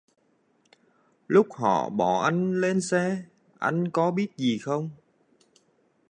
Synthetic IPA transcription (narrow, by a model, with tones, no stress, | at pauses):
lʊ˦˥k͡p̚hɔ̰˧˨ɓɔ˧˩ʔa˧jŋ̟le˧nsɛ˧ | ʔa̰˧jŋ̟kɔ˨˦ɓi˦˥ət̚zi˨˩xə˧wŋ͡m